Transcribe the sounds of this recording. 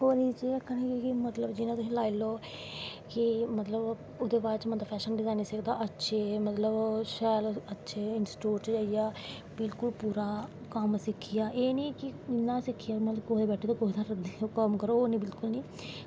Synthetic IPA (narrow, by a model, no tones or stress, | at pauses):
ɦoːnit͡ʃeəkʰːənĩkimət̪ləbd͡ʒɪnãt̪ʊsĩːlaːiloː | kɪmət̪ləb | ʊd̪eːbaːɾt͡ʃmət̪əpʰɛːʃənɖɪzaːnsekd̪aːʔətːʃʰeːmət̪ləbʃɛːlətːʃʰeːɪnsʈuːʈd͡ʒaːijaː | bɪlkʊlpuːɾaː | kəmsɪkʰːɪjaːʔeːniːkɪɪnːãːsɪkʰːɪjaːmət̪ləbkoɦd̪eːbɛːʈʰeːt̪õkoːɦd̪ãɾd̪okəmkəɾoːnĩːbɪlkʊlniː